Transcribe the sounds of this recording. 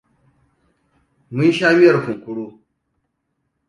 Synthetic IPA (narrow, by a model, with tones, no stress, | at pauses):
mu˦n˦ʃaː˦mɪ˦jɐ˨ɾku˨ŋ˨kʷʊ˦ɽoː˦